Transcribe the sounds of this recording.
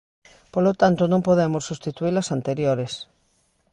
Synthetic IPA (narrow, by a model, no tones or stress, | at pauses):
polot̪ant̪onõŋpoðemosːust̪it̪uilɐsant̪eɾjoɾes